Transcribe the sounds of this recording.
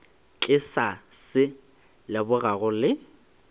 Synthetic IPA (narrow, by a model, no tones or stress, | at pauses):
t͡ɬʼɪsasɪ | lɪbʊɣaɣʊlɪ